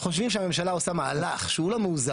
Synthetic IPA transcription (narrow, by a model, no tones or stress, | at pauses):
χo̞ʃ̬vimʃ̬eame̞mʃalao̞samaa̰laχʃeulomeuza